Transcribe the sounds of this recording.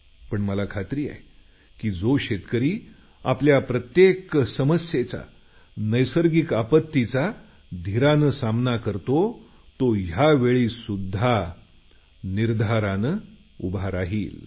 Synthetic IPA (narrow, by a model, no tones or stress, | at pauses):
pəɳməlakʰat̪ɾiːa̰j | kiːd͡zoɕet̪kəɾiː | a̰pljapɾət̪jeksəməsjet͡sa̰ | nəjsəɾɡikapət̪ːit͡sa | d̪ʱiɾanəsamnakəɾt̪o | t̪ojaʋeɭiːsud̪ʱːa | niɾd̪ʱaɾanə | ṵbaɾaɦiːl